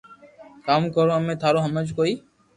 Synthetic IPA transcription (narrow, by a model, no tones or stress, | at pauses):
kaːmkəɾõːəmẽːt̪ʰaːɾoːɦəməd͡ʒkoiː